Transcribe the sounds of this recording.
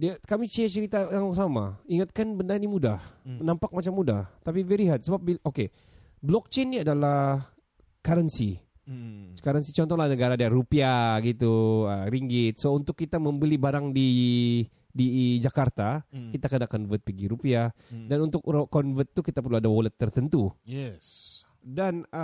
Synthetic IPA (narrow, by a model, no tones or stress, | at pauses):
diakamit͡ʃit͡ʃəɾit̪ajaŋsamaiŋat̪̚kanbəndanimudahənampak̚mat͡ʃamːudaht̪apivɛɾiɦat̪səbap̚biʔoke | blɔk̚t͡ʃenːiadala | kaɾənsi | kaɾənsit͡ʃɔnt̪ɔŋlanəɡaɾadiarupiaɡit̪uəɾiŋɡɪt̪̚sount̪ʊkːit̪aməmbəlibaɾaŋdi | did͡ʒakart̪akit̪akənakɔnvət̪̚pəɡiɾupiadanunt̪ʊkkːɔnvət̪ːukit̪apuloadawolət̪ːərt̪ənt̪ujɛs | dan